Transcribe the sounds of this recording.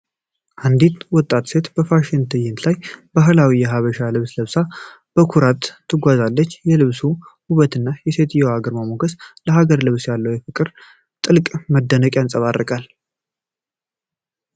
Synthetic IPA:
ʔand̪it̪wɔt̪ʼːat̪se̞t̪b̥əfaʃɪnt̪ʰɨjɪnlajbaɦɨlawijɛɦaβəʃalɨβsləβsa | b̥əkʰuɾat̪ʰːɨɡʷazalːət͡ʃːjɛlɨβsuhuβət̪ɨnːajɛse̞t̪ʰjɛwaɡəɾməmoɡəsləɦaɡəɾlɨβsjalːəwjɛfɨkʼɨɾ | t̪ʼɨlkʼməd̪ːənəkʼjansʼəβarːəkʼal

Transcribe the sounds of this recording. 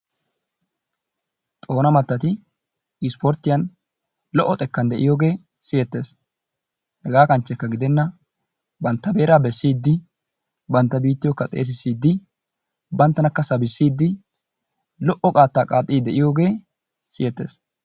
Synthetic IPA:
t̪ʼo̞ːnɐmɐt̪ːɐt̪ɪ | ɪspɔɾt̪ːɪjɐn | lɔʔːɔt̪ʼɛkːɐnd̪ɛʔɪjoːɡe̞ː | sɪjɛt̪ːe̞ːs | hɛɡaːkɐnt͡ʃːɛkːɐɡɪd̪ɛnːɐ | bɐnt̪ːɐbe̞ːɾaːbɛsːiːd̪ːɪ | bɐnt̪ːɐbiːt̪ːɪjɔkːɐt̪ʼe̞̰ːs̬ɪsːiːd̪ːɪ | bɐnt̪ːɐnɐkːɐsɐbɪsːiːd̪ːɪ | lɔʔɔkʼaːt̪ːaːkʼaːt̪ʼːiːd̪ɛʔɪjo̞ːɡe̞ː | sɪjɛt̪ːeːs

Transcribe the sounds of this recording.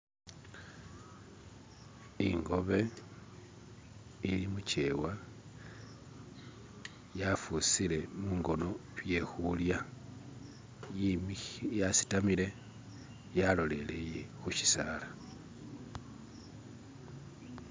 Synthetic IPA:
ḭŋɡo̞βe̞ | ilimuce̞wa | jafusile̞muːŋɡo̞no̞βje̞xulja | jasi̥tamile̞ | jalo̞le̞le̞jexuʃi̥saːla

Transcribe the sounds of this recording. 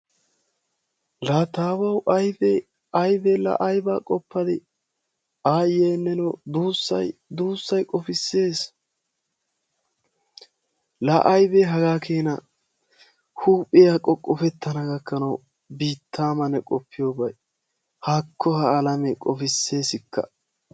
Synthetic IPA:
laːt̪aːbɐwʔɐjbɛ | ɐjbɛlɐ̰ʔɐjbaːkʼɔpːɐd̪ɪ | aːjeːnːɛnɔd̪uːsːɐ̰jd̪uːsːɐjkʼɔfɪsːe̞ːs | lɐʔɐjbɛɦɐɡaːkʰeːnɐ̰ | huːpʼɪjakʼːɔkʼɔfɛt̪ːɐnɐɡɐkːɐnɐw | biːt̪ʰːaːmɐnɛkʼɔpʰːɪjoːbɐj | haːkʰːɔhɐːlɐmɛkʼɔfɪsːe̞ːsɪkʰːɐ̰

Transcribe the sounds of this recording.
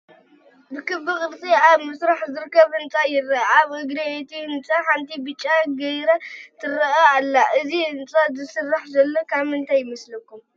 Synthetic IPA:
bɨkɨbɨxʼɨɾt̪ʼiaβmɨsɾaħzɨɾkʰːɐβɨnt̪ʼajɪrːɐaβɨɡɾɐet̪ʰihɨnt͡sʼaħant̪ʰibɨt͡ʃʼːaɡɐjɾat̪ʰɨɾɐʔaalːaʔɨziɨnt͡sʼazɨsɨrːaħzɐlːokʰaβɨnt̪ʰajːɪmɐslɐkːum

